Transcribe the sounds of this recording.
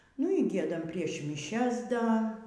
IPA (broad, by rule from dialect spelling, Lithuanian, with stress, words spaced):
nʊ iː ˈɡʲiɛdɐm pʲrʲiɛʃ mʲɪˈʃʲɛs ˈdɐ